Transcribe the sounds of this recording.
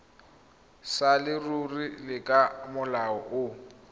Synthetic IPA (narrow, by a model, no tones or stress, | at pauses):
salɪrurilɪkʼamʊlaɔʔʊ